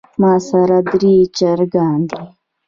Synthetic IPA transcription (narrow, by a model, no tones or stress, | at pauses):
maːsɐɾad̪ɾiːt͡ʃɐɾɡaːnd̪i